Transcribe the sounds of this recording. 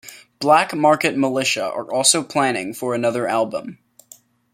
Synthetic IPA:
b̥lækmɑɹkɨt̚məlɪʃə̰ə̰˞ʔɔlˠsoʊpʰl̥æ̃ñɪ̃ŋfə˞ɨnʌðə˞ʔælˠbə̰̃m

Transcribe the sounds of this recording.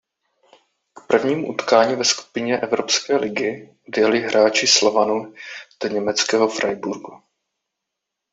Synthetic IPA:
kpr̩vɲiːmuʔut̪kaːɲiːvɛsku̥pɪɲɛʔɛvɾo̞pskɛːlʔɪɡɪ | odjɛlɪɦɾʔaːt͡ʃɪslovanud̥ɛɲɛmɛt͡skɛːɦofɾʔajbuɾɡu

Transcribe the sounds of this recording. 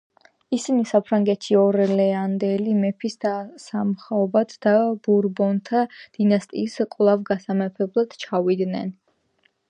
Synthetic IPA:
isinisapʰɾaŋɡɛt̪ʰʃiɔɾɛlɛand̪ɛlimɛpʰisd̪asamχaɔbad̪d̪ab̥uɾbɔnt̪ʰad̪̥inast̪ʼiːsqʼlˠavɡasamɛpʰɛblˠad̪̥t͡ʃʰavid̪nɛ̰n

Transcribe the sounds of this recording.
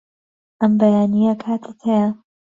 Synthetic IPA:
ʔɐmbɐjaːnijɐkʰaːt̪ʰɪt̪hejɐ

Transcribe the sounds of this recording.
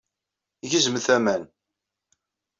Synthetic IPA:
ʝəzəməθæmæn

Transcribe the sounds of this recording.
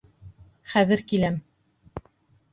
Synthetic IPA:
χæðɘɾkilæm

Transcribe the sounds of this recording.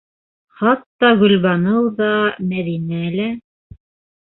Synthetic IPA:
χɑt̪ːɑɡɵ̆lβɑnɤwðɑmæðinælæ

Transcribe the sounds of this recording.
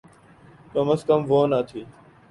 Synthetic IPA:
kəməskəmʋoːnat̪ʰiː

